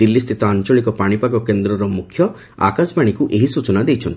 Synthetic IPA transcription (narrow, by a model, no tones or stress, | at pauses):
d̪ilːist̪ʰit̪ɔant͡ʃɔɭikɔpaɽ̃ipaɡɔkend̪ɾɔɾɔmukʰjɔ | a̰kasbaɽ̃ikuʔeɦisut͡ʃɔnad̪ejt͡ʃʰɔnt̪